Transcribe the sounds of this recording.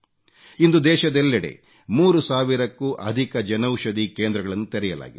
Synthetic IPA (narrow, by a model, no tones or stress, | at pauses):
ind̪ud̪ɛːʃɐd̪ɛlːɐɽḛ | muːɾusaːʋiɾɐkːuːʔɐd̪ʱikɐd͡ʒɐnɐwʃɐd̪ikeːnd̪ɾɐɡɐɭɐnːut̪ɛɾɛjɐla̰ːɡid̪